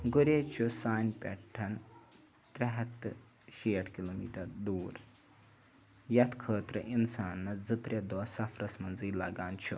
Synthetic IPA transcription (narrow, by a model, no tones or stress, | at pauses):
ɡuɾet͡ʃʰusaːnpʲɛ̰ʈʰːɐn | t̪ɾɐɦɐt̪ːɨ | ʃiːɐʈʰkiloːmiːʈɐɾd̪uːɾ | jɐt̪kʰəːt̪ɾɐ̰ʔinsaːnːɐd͡zɨt̪ɾed̪ɔːsɐfɾɐsmɐnziːlɐɡaːnt͡ʃʰu